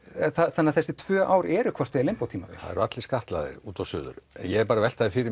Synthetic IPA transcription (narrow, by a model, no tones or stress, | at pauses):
θaθanːaθɛsɪt̪ʰv̥œːʔaːwɾɛːɾʏkʰvɔr̥t̪ɛlɪmpawt̪ʰiːmavɪ̰ha̰ðɛɾat̪lɪskaht̪la̰ːðɪ̰ɾuːt̪awsʏ̰ːðʏ̰ɾɛ̰njɛɛɾpaːɾavɛl̥t̪aðɪfɪːɾɪ